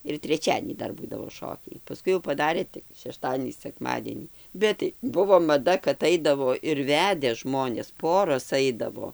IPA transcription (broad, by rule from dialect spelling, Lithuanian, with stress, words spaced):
ɪr tʲrʲɛˈt͡ʃʲæːdʲiɛnʲiː ˈdɐr ˈbuːdɐʋoː ˈʃoːkʲɛɪ pɐˈskʊɪ jɛʊ pɐˈdɑːrʲeː tʲɪk ʃʲɛˈʃtɑːdʲiɛnʲiː sʲɛkˈmɑːdʲiɛnʲiː ˈbʲɛt tɐɪ ˈbʊʋoː mɐˈdɐ kɐt ˈɐɪdɐʋoː ɪr ˈʋʲæːdʲɛ ˈʒmoːnʲeːs ˈpoːroːs ˈɐɪdɐʋoː